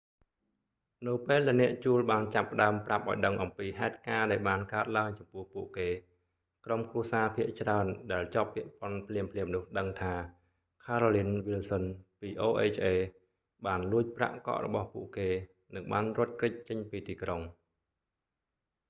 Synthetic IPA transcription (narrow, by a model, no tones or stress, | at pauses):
nɨwpeːlɗaɛnɛ̆əʔt͡ɕuəlɓaːnt͡ɕapːə̆ɗaəmprap̚ʔaɔjɗəŋʔɑmpiːɦaɛt̪̚kaːɗaɛlɓaːnkaət̪̚laəŋt͡ɕɑmpʊ̆əhʔhpuəʔkeː | kromkruəsaːpʰiəʔt͡ɕraənɗaɛlt͡ɕɑpːĭəʔpŏənpʰliəmpʰliəmnʊ̆əhɗəŋt̪ʰaː | kʰaːɾoːlinʋilsənpiːʔoːʔeːt͡ɕʰʔeː | ɓaːnluəc̚pra̰ʔkɑ̰ʔrɔ̰ɓɑhpuəʔkeː | nɨŋɓaːnrŏət̪̚krɨc̚t͡ɕəɲpiːt̪iːkroŋ